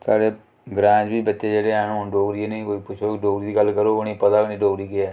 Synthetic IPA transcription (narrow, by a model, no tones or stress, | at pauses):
saːɽeː | ɡɾãːd͡ʒbiːbətːʃeːd͡ʒeːɽeːɛːnũɖoːɡɾiːeːneĩːkoːiːpʊt͡ʃʰoːɖoːɡɾiːd̪iːɡəlːkəɾoːʊniːpət̪aːnĩːɖoːɡɾiːɡɪɛː